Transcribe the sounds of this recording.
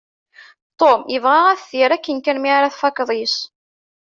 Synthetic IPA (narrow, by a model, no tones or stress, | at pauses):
t̪ˤːomjəvʁaʁæθθiɾækːənkænmiʕɾæθfɑkːðˤis